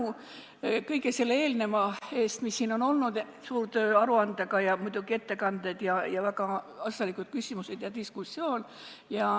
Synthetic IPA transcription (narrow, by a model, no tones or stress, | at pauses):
u | kɤjɡe̞se̞lːee̞ːlne̞mɑe̞ːst̪misːiːno̞no̞lnud̪ | suːrt̪øːɑɾuɑnd̪̥eɡ̥ɑjɑmujd̪uɡ̥ie̞t̪ːe̞kɑnd̪̥ed̪̥jɑjɑvæɡɑ | ɑsɑlikˑud̪̥̚kysʲimuse̞d̪̥jɑd̪iskusʲːio̞ːn | jɑ